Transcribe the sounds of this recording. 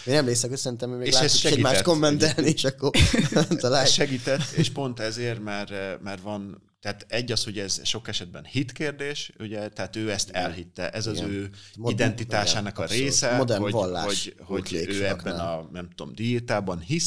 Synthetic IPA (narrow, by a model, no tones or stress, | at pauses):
eːnɛmleːsɛkhocsɛɾint̪ɛmhømeːeːɡlaʃːɛsoʃɛɛimaːʃttko̞mːɛnt̪ɛlnieʃɒkːort̪ɒlaʃɛɡiːt̪ɛt̪ːeːʃpo̞nt̪ɛzeːrmɛrmɛrvɒn | t̪ɛɦaːt̪ɛɟːɒsho̞ɟɛzʃo̞kɛʃɛd̪̚bɛnhit̪keːrd̪eːʃuɟɛt̪ɛɦaːt̪øːɛst̪ɛ̰lɦit̪ːɛ̰ʔɛzɒzøːid̪ɛnt̪it̪aːʃaːnɒkɒɾeːsɛmod̪ɛɾoɟvɒlːa̰ːoʃɟho̞ḛːøːɛbːɛnɒnɛmt̪o̰md̪it̪aːbɒnhis